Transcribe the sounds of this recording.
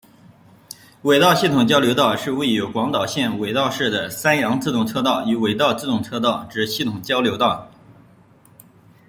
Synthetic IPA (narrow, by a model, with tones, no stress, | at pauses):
we˨˩ɪt̪ɑ˥˧ʊɕi˥˩t̪ʰʊ˨˩ŋt͡ɕjɑ˥ʊljo˧˥ʊt̪ɑ˥˩ʊʂɻ̩˥˧we˥˩ɪjo˧˥ʊkwɑ˧˥ŋt̪ɑ˨˩ʊɕjɛ˥˩nwe˨˩ɪt̪ɑ˥˧ʊʂɻ̩˥˩d̪ə˩sa˥njɑ˧˥ŋt͡sɹ̩˥˧t̪ʊ˥˩ŋt͡sʰɤ˥˧t̪ɑ˥˩ʊy˧˥we˨˩ɪt̪ɑ˥˧ʊt͡sɹ̩˥˧t̪ʊ˥˩ŋt͡sʰɤ˥˧t̪ɑ˥˩ʊʈ͡ʂɻ̩˨˧˩ɕi˥˩t̪ʰʊ˨˩ŋt͡ɕjɑ˥ʊljo˧˥ʊt̪ɑ˥˩ʊ